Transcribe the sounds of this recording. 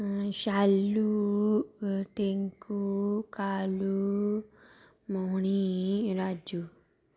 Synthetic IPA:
ɕalːu | ʈeŋkukalu | moɦɳ̃iɾad͡ʒu

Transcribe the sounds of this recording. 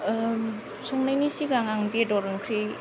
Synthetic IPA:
sɔŋnajnisiɡaŋaŋbedɔɾɯŋkʰɾi

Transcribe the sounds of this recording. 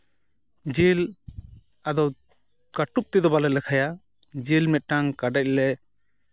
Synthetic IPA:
d͡ʒil | ad̪ɔ | kaʈup̚t̪ɛd̪ɔbalɛlɛkʰaja | d͡ʒilmɛt̪̚ˀʈːaŋkaɖac̚lɛ

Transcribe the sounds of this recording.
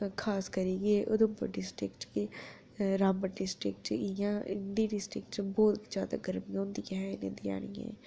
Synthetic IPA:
kʰaːskəɾiːɡieːʔʊd̪ʊmpə̰ɖɪsʈɾɪkʈki | ɾaːmbəɖɪsʈɾɪ̰k̚ʈɪjãːɪnd̪iːɖɪsʈɾɪk̚ʈt͡ʃbɔːt̪d͡ʒjaːd̪a̰ːɡəɾmijãʊ̃ːnd̪iːɦɛɪnḛ̃nd̪ia̰ːɽ̃ḭ̃ːḛ̃ː

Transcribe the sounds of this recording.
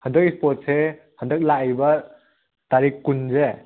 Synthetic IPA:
həndək̚ispot̚se | həndək̚lajbɐ | taɾikːunze

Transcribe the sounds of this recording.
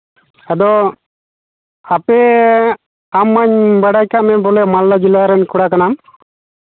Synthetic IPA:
ad̪ɔ | apɛ | amːaɲbaɽajkaʔmɛbɔlɛmalːad͡ʒilaɾɛnkɔɽakanam

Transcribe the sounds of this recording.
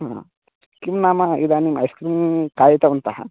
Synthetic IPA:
ɦã̰ | kimnaːmɐid̪animɐ̰jskɾimkaːjit̪ɐunt̪aɦɐ̰

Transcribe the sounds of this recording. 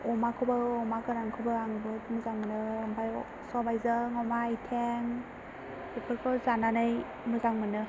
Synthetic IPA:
ɔmakʰɯbaɔmakɯɾaŋkʰɯbaaŋbɯtmɯzaŋmɯnɯːmbaj | sɔbajzaŋɔmajtʰeŋ | bepʰɯɾkʰɔzananɯj | mɯzaŋmɯnɯ

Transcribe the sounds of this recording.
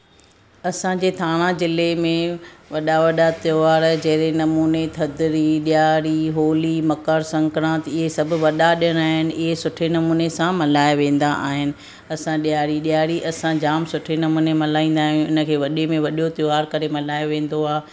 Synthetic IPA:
ɐsãd͡ʑeːt̪ʰaːɽ̃ãzɪlemẽʋɐɗaʋɐɗat̪joaːɾd͡ʑɐɦɪɾenɐmuːnet̪ʰɐd̪ɪɾiɗijaːɾiɦoːlimɐkəɾsɐ̃ŋkɾãːt̪ɪɦesɐbʱʊ̆ʋɐɗaɗɪjəɽ̃aːɦɪnɪ̆ʔɪɦesʊʈʰenɐmuːnesãmɐlaːjʋẽːn̆d̪aʔa̰ːɦɪnɪ̆ | ɐsãɗijaːɾiɗjaːɾiʔɐsãd͡ʑaːmsʊʈʰenɐmuːnemɐlaːĩːn̆d̪aːɦiũɪnə̆kʰeːʋɐɗemẽʋɐɗot̪joaːɾkɐɾemɐlaːjoʋẽːn̆d̪oaː

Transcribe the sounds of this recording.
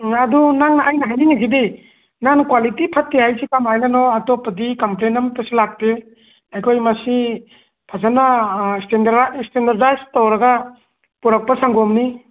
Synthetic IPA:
adunaŋnaʔajnaɦajninaɡibe | nankwalitipʰatːeajsikamajnanɔatɔpːɐdikɐmplenɐmpesilak̚pe | ajkʰojmɐsi | pʰazanastendaɾstendaɾdajstɔwɾɐɡa | puɾak̚pɐsaŋɡɔmni

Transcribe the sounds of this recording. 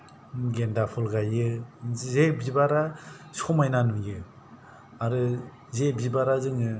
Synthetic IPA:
ɡendapʰɔlɡajɯzebibaɾasɔmajnanujɯ | aɾɯ | zebibaɾazɯŋɯ

